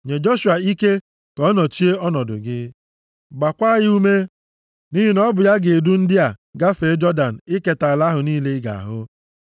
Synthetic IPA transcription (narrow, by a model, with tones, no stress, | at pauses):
ɲe˨d͡ʒo˦ʃu˨a˨i˦ke˦ | kɔ˦nɔ˨t͡ʃi˦e˦ɔ˦nɔ˨dʊ̰˨ɡɪ˦ | ɡ͡ba˨kʷa˦jɪ˦u˦me˦ | ni˦ɦi˨nɔ˦bʊ˨ja˦ɡɪ˨du˦n̩˦dɪ˦a˨ɡa˦fe˨˦d͡ʒɔ˦da˨n̩˨ɪ˦ke˨ta˨la˦ɦʊ˨niː˦le˦ɪ˦ɡa̰˨a̰˨ɦʊ˦